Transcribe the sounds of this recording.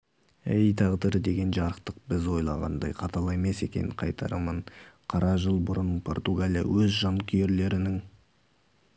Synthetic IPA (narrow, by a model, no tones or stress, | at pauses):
ejt̪ʰɑʁd̪əɾəd̪e̞ɡʲe̞nʒɑɾəqt̪əq̚bɪzwo̞jlˠɑʁɑ̰nd̪ɑjqʰɑt̪ʰɑlˠɑeme̞se̞kʲe̞̰nɪ̰ɴqʰɑjt̪ʰɑ̰ɾəmənqʰɑɾɑʒəlˠbʊɾənpʰo̞rt̪uɡalʲija̰wɵzʒɑnkʲʰʏje̞ɾle̞ɾɪnɪŋ